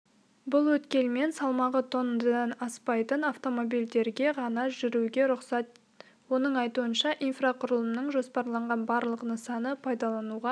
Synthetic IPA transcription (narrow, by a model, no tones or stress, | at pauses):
bʊlˠwɵt̪kʲe̞lme̞nsɑlˠmɑʁət̪ʰo̞nd̪əd̪ɑnɑspɑjt̪ənaft̪o̞mo̞bijld̪e̞ɾɡʲe̞ʁɑnɑʒʏɾuɡʲe̞ɾʊqsɑt̪̚ | wo̞nəɴɑjt̪uənʃɑʔijnfraqʰʊɾəlˠəmnəɴʒo̞spɑɾlˠɑɴʁɑnbɑɾlˠəqənəsɑnəpʰɑjd̪ɑlˠɑnuʁɑ